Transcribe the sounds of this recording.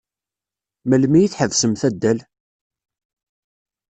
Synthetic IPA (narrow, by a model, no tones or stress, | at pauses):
məlmijiθħəvsəmθæd̪ːæl